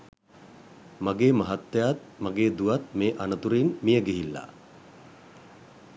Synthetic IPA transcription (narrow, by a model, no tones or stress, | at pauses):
maɡeːmaɦat̪ːejat̪̚maɡeːd̪uʋat̪̚meːʔanət̪uɾeinmijəɡiɦilːa̰